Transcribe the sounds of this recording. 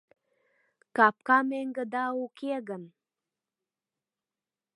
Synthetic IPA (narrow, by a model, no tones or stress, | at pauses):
kɑp̚kɑmeŋɡəd̪ɑukeɣən